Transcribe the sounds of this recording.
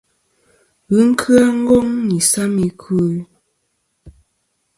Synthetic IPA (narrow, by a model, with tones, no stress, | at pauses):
ɣɯ˦ŋ̩˦kʰɰa˦ŋ̩˦ɡɔ˦ŋni˨sa˦mi˨kʰu˦